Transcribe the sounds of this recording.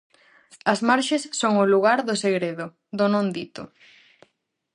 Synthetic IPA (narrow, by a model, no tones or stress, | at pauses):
ɐzmaɾʃesːoŋʊluɣaɾðʊseɣɾeðʊ | ðʊnõnd̪it̪ʊ